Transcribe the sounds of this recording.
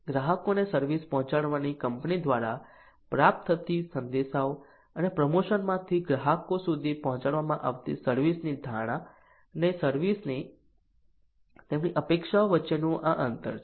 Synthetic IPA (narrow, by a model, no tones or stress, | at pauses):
ɡɾaɦəkonesəɾʋispɔɦɔ̃t͡ʃaɽʋanikəmpnid̪ʋaɾa | pɾap̚t̪ʰət̪isənd̪eʃao | ənepɾəmoʃənmãt̪ʰiɡɾaɦəkosud̪ʱipɔɦɔ̃t͡ʃaɽʋamãʔa̰ʋt̪ḭsəɾʋisnid̪ʱaɽ̃a | nesəɾʋisni | t̪emniʔəpekʃaoʋətːʃenũʔaʔənt̪ə̰ɾ